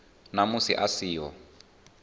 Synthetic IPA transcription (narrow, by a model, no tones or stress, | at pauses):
namusiʔasiːɔ̰